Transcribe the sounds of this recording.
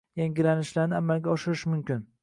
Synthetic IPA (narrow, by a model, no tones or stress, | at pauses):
jaŋɡʲɪlanɪʃlaɾnɪamːalɡʲaɒʃɪɾɪʃmʊmkʲɪn